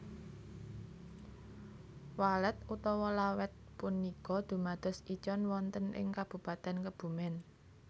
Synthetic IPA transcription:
walət̪̚ut̪ɔwɔlawɛt̪̚punːikɔd̪̥ṳmad̪̥ɔ̤sit͡ʃɔnwɔnt̪ənʔɪ̰ŋkab̥ṳpat̪ɛnkəb̥ṳmɪn

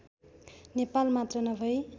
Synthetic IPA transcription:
nepalmat̪rʌnʌbʱʌj

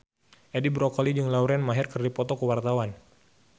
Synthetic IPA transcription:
ʔedibɾɔkɔlid͡ʒɨŋlauɾɛnmaɦɪrkərdipɔt̪ɔkəwart̪awan

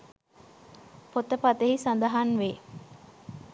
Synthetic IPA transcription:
pot̪əpat̪eɦisand̪əɦanʋe

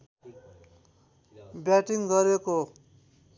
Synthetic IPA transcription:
bjaʈiŋɡʌɾeko

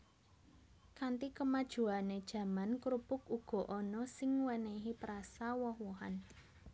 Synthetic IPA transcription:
kant̪ikəmad̥ʒ̥ṳaned̥ʒ̥ä̤mankɾupʊk̚uɡ̥ɔ̤ʔɔnɔsɪŋwəneɦipəɾasawɔhwɔɦa̰n

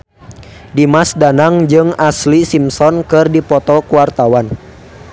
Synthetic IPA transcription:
dimasdanaŋd͡ʒɨŋaslisimsɔnkɨrdipɔt̪ɔkuwart̪awan

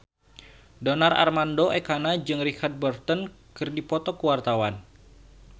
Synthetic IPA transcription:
dɔnarʔa̰rmandoʔekanad͡ʒɨŋrikard̪̚bərt̪ɔn | kɨrdipɔt̪ɔkəwart̪awan

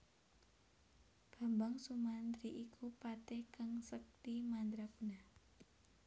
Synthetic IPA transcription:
b̥a̤mbaŋsumand̪ɾiʔikʰupat̪ɛhkəŋsək̚t̪imand̪ɾakunah

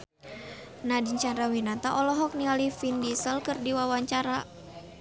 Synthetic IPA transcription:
nadiɲt͡ʃaɾawinat̪aʔɔlɔɦɔk̚nialifindisəlkɨrdiwawaɲt͡ʃaɾa

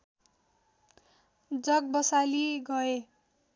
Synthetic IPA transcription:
d͡zʌɡ̚bʌsaliɡʌe

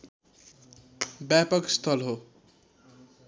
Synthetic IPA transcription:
bjapʌkst̪ʰʌlɦo

